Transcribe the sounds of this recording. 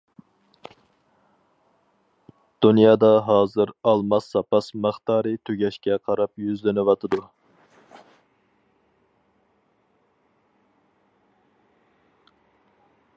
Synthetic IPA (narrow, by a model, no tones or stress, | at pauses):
d̪̥unjɑːd̪ɑɦɑːzɨɾɑlˠmɑsːɑpɑsmɑχt̪ɑːɾɨt̪ʰyɡʲɛʃkʲɛqʰɑɾɑpjyzlɪnɪwɑt̪ʰɨd̪u